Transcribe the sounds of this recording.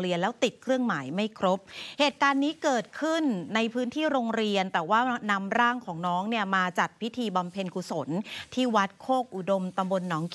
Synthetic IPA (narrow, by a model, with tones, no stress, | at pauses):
ɾi˧ənlɛː˦˥wt̪i˨˩t̪̚kʰɾɯ˥˩əŋmaː˩˦jma˥˩jkʰɾo˦˥p̚heː˨˩t̪̚kaː˧nːiː˦˥kɤː˨˩t̪̚kʰɯ˥˩nːa˧jpʰɯː˦˥nt̪ʰiː˥˩ɾoː˧ŋɾi˧ənt̪ɛː˨˩waː˥˩na˧mɾaː˥˩ŋkʰɔː˩˦ŋnɔː˦˥ŋni˥˩ɐmaː˧t͡ɕa˨˩t̪̚pʰi˦˥t̪ʰiː˧ba˧mpʰe˧nku˨˩so˩˦nt̪ʰiː˥˩wa˦˥t̪̚kʰoː˥˩k̚ʔu˨˩do˧mt̪a˧mbo˧nːɔː˦˥ŋk